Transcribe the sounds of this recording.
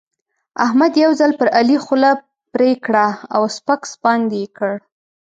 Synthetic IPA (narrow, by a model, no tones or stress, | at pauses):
ahmad̪jawzalpəɾalixula | pɾekɽaawspakspɑnd̪eekəɽ